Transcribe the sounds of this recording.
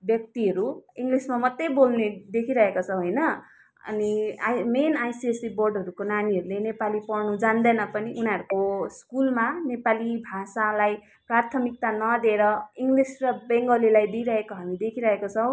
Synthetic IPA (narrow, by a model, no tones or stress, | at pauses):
bjʌk̚t̪iɦʌɾuiŋɡlismamʌt̪ːebolned̪ekʰiɾʌɦekot͡sʰʌɦojnʌ | ʌ̰nimenajsiesiborɖɦʌɾukonaniɦʌɾulenepalipʌrnud͡zand̪ʌnʌpʌniʔunaʌɾkoskulmanepalibʱasalaj | part̪ʰʌmik̚t̪anʌd̪eɾʌiŋɡlisrʌbeŋɡʌlilajd̪ijɾʌɦekoɦamid̪ekʰiɾʌɦekot͡sʰʌw̃